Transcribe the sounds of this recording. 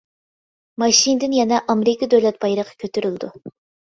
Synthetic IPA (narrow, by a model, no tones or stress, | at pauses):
mɑʃind̪ɪnjɛnɛʔɑmɾɪkʰɑd̪øwlɛt̪̚bɑjɾəqʰɑ̥kʲʰøt̪ʰyɾylˠd̪u